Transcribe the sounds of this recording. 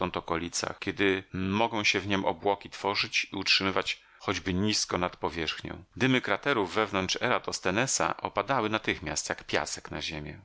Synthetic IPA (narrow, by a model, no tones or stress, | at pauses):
ɔ̃nt̪ɔkɔlʲit̪sa̰xkʲɛd̪ɘmɔɡɔ̃w̃ɕɛvɲɛmʔɔ̰bwɔkʲit̪fɔʐɘt͡ɕiutʂɘmɘvat͡ɕ | xɔd͡ʑbɘɲiskɔnat̪pɔvʲjɛʂxɲɔ̰̃w̃d̪ɘmɘkɾat̪ɛɾuvːɛvnɔnt͡ʂɛ̰ɾat̪ɔst̪ɛnɛsa̰ʔɔ̰pad̪awɘnat̪ɘxmʲjast̪jakpʲja̰sɛ̥kna̰ʑemʲjɛ̰